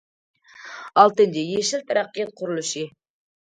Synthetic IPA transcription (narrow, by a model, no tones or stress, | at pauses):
ɑlˠt̪ɨnd̪ejeʃɪlt̪ʰaɾæqːijɑt̪̚qʰʊɾʊlˠɨʃi